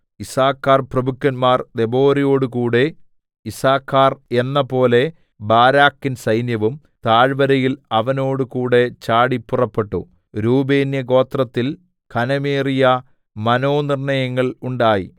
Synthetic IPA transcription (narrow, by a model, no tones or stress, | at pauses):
isaːkːaːrprɐbukːɐnmaːrd̪e̞bo̞ːɾijo̞ːɽukuːɽe̞ | isaːkːaːrenːɐpo̞ːle̞ | baːɾaːkːinsɐjnjɐʋum | t̪aːɻʋɐɾɐjilɐʋɐno̞ːɽukuːɽe̞t͡ɕaːɽipːurɐpːe̞ʈːu | ɾuːbe̞ːnjɐɡo̞ːt̪rɐt̪ːil | kʰɐnɐmeːrijɐ | mɐno̞ːnirɳɐjɐŋːɐɭuɳɖaːjḭ